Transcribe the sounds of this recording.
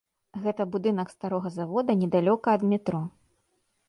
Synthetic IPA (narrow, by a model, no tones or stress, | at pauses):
ɣɛt̪ɐbud̪ɨnɐkst̪aɾɔɣɐzavɔd̪ɐnʲɛd̪alʲɔkɐːd̪mʲit̪ɾɔ